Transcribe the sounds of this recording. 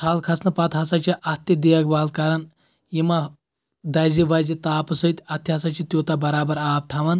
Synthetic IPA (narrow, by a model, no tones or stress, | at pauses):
sʰaːlkʰɐsnɐpɐt̪ɦɐsɐt͡ʃʰiʔɐt̪id̪ijɐkbaːlkaɾɐn | jima | d̪ɐjziʋɐzit̪aːpɨsət̪ʲɐt̪ːiɦɐsɐt͡ʃʰit̪ʲjoːt̪abɐɾaːbɐɾaːp̚ʈʰɐʋɐn